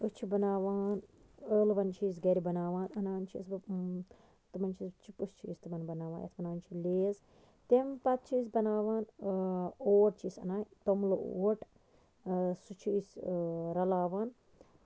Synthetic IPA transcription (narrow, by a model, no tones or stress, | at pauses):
ɨst͡ʃʰibɐnaːʋaːn | əːlʋɐnt͡ʃʰis̬ɡɐɾʲibɐnaːʋaːnɐnaːʋɐnt͡ʃʰḭsbɨ | t̪ɨmɐnt͡ʃʰist͡ʃʰipɨst͡ʃʰḭːst̪ɨmɐnbɐnaːʋa̰ːnjɐ̰t̪ʰbɐnaːnt͡ʃʰileːz | t̪empɐt̪̚t͡ʃʰiːs̬bɐnaːʋaːn | oːɾt͡ʃʰisɐ̰naːjt̪omlɨoːʈ | sut͡ʃʰisʲɾɐlaːʋaːn